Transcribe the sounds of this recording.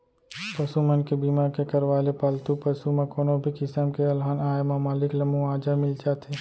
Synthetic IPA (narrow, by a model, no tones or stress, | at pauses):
pɐsumənkebiːmaːɾkekɐɾʋaːlepaːlt̪upəsumẽkoːnobʱikɪsəmkeɐlɦaːnaːjmamaːlɪklɐmũaːd͡ʒamɪld͡ʒaːt̪ʰeː